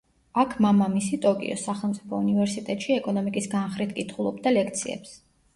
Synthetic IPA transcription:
akʰmamamisit̪ʼɔkʼḭɔ̰saχɛlˠmt̪ʼipʰɔunivɛɾsit̪ʼɛt̪ʼʃiɛkʼɔnɔmikʼisɡanχɾit̪ʰkʼit̪ʰχulˠɔbd̪alɛk̚ʰt̪sʰiɛ̰ps

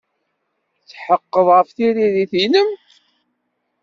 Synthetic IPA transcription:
t͡sːħəqːəðˤʁəfθiɾiðiθinəm

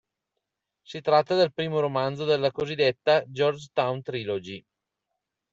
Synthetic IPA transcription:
sit̪ɾat̪ːad̪elpɾiːmoɾomand̪zod̪elːakozid̪ːet̪ːad͡ʒɔrd͡ʒt̪awnt̪ɾilod͡ʒi

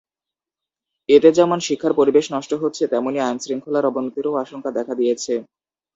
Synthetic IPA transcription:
et̪ed͡ʑɛmonʃikʰːaɾpoɾibeʃnɔʃʈoɦotːɕʰet̪ɛmoniajnsɾiŋkʰolaɾɔbonot̪iɾoaʃoŋkad̪ɛkʰad̪ijet͡ɕʰe

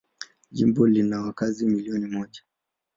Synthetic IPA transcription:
ʄḭmbɔlinawakazimiliɔnimɔʄa

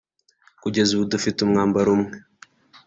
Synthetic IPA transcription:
kud͡ʒazudəfitumŋambaɾumŋ

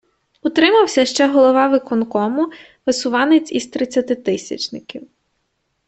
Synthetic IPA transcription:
ʊt̪ɾɪmɐwsʲɐʃt͡ʃɛɦɔlˠɔʋɑʋɪkɔnkɔmʊ | ʋɪsʊʋɑnet͡sʲizt̪ɾɪt͡sʲːɐt̪ɪt̪ɪsʲɐ̰t͡ʃnɪkʲiw

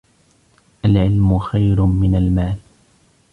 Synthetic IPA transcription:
ʔalʕɪlmʊxajɾʊmɪnalmaːl

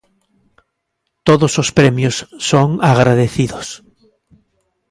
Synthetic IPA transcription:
t̪oðosospɾemjosːoŋaɣɾaðeθiðos

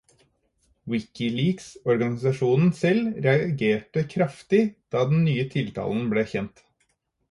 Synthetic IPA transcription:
wɪkɪliːɡsɔɾɡɑnɪsɑʂuːnn̩sɛlɾɛɑɡeːʈəkʰɾɑft̪ɪd̪̥ɑːd̪ɛnnyːət̪ʰɪlt̪ʰɑ̰ːln̩bleːçɛnt̪

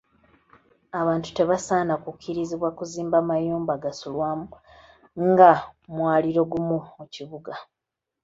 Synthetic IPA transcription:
aβaːntu̥te̞βasaːnakukʰːiɾiziβwakuziːmbamajuːmbaɡasulwaːmu | ŋɡamwaːliɾo̞ɡumuuciβuɡa

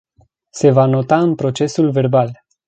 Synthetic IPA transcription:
se̞vano̞t̪aɨnpɾo̞t͡ʃe̞sulve̞rbal

